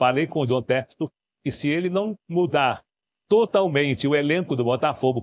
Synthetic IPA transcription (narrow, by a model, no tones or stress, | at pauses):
falejkõʊd̪õt̪ɛkst̪ʊ | ɪsɪelɪnɐ̃w̃mud̪aɾ | t̪ot̪awmẽnt͡ʃɪʊelẽkʊd̪ʊbɔt̪afoɡʊ